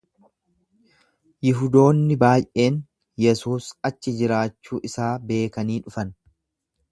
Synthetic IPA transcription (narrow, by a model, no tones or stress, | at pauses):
jɪɦʊd̪o̞ːnːɪbaːjʔe̞ːn | jɛsuːsɐt͡ʃːɪd͡ʒɪɾaːt͡ʃːuːʔɪsaːbe̞ːkɐniːᶑʊfɐn